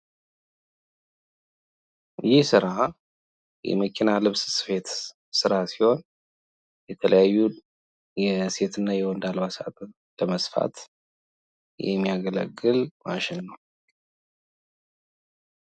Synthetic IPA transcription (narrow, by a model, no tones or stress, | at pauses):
jɪhsɨɾa | jɛ̰məkʰinalɨβssɨ̥fe̞t̪ | sɨɾasiho̞n | jɛt̪ʰələjajːu | jɛse̞t̪ʰɨnːajɛwɔnd̪alβasa̰t̪ʰʼ | ləməsfa̰t̪ | jɛ̰mːijaɡələ̰ɡːɨlma̰ʃɪnːəw